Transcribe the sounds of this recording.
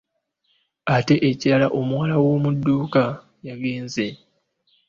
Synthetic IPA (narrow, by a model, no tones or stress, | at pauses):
ate̞ʔeciɾalaʔo̞muwalawo̞ːmudːuːka | jaɡe̞ːnze̞